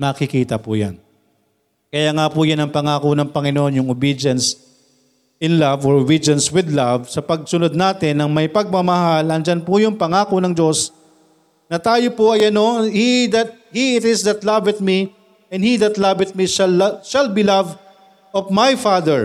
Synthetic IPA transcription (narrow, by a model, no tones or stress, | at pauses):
nɐkɪkiːt̪ɐpʊ̰ja̰n | kɐjaːŋapujanɐŋpɐŋaːkonɐŋpɐŋɪnoʔonjʊŋʊbid͡ʒɐns | ʔɪnlavoɹʊbid͡ʒɐnswɪd̪lavsɐpɐɡ̚sʊnod̪̚naːt̪ɪnːɐŋmɐjpɐɡ̚mɐmɐɦalɐŋd͡ʒanpʊjʊŋpɐŋaːkonɐŋd͡ʒo̞s | nɐt̪aːjopoʔɐjʔɐno̞hid̪ɐt̪̚hiɪt̪ɪsd̪ɐt̪lɐvɪt̪̚mi | ɛ̃nd̪hiðɐt̪lɐvɪt̪̚miʃɐlʃɐlbilav | ovmajfad̪ɛɹ